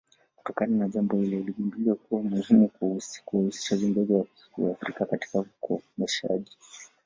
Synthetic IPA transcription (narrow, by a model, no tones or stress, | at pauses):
ku̥tɔkananaʄambɔhilɛiliʄunbliwakuwamuhimukuuhusi̥ʃavɔmɡɔziwa | wa̰fɾikakati̥kaukʰɔ̰mɛʃa̰ʄi